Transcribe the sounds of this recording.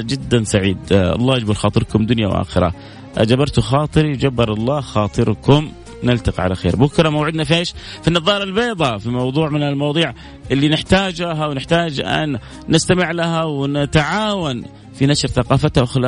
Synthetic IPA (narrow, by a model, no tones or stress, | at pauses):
d͡ʒɪd̪ːansaʕiːd̪ʔɑ̰lˤːɑːjad͡ʒbɪɾˤxɑːt̪ˤɨɾkʊmd̪ʊnja̰wʔa̰ːxɪɾˤɑ̰ | ʔad͡ʒabɑɾˤt̪uxɑːt̪ˤɨɾiwd͡ʒabːɪɾˤɑlˤːɑːxɑːt̪ˤɨɾkʊm | nɪlt̪aqiʕalaxḛːɾbʊkɾˤɑmawʕɪd̪nafʔeːʃ | finːɑðˤɑːɾˤɪlbeːd̪ˤɑfimɑwðˤuːʕmɪnalmɑwðˤuːʕ | ʔɪlːinɪħt̪aːd͡ʒɦawnɪħt̪aːd͡ʒʔa̰n | nɪst̪amɪʕlaɦawnɪt̪ʕaːwan | finaʃɾθaqɑːfat̪haʔxla